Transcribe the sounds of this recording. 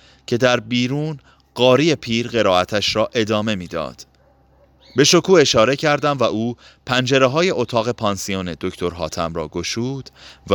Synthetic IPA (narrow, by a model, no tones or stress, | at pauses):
cʰe̞d̪æɾbiːɾuːn | ɢ̥ɒːɾiːe̞pʰiːɾɢe̞ɾɒːæt̪ʰæʃɾɒːʔe̞d̪ɒːme̞miːd̪ɒ̰ːd̪̥ | be̞ʃo̞kʰuːe̞ʃɒːɾe̞cʰæɾd̪æmvæʔuː | pʰænd͡ʒe̞ɾeɦɒːje̞ʔot̪ʰɒːɣe̞pʰɒːnsione̞d̪o̞cʰt̪ʰo̞ɾɦɒ̰ːt̪ʰæmɾɒ̰ːɡo̞ʃuːd̪̥v